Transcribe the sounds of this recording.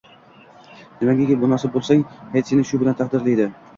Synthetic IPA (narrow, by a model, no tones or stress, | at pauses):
nɪmaɡʲakʲɪbʊnasɪbolˠsaŋhet̪sinɪʃʊbɪlant̪ʰɑqd̪ɪɾlɪjd̪ɪ